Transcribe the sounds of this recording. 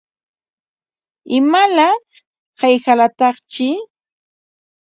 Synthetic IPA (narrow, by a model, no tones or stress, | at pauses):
ɪmalɑχ | ɢejxalat̪ɑχt͡ʃɪ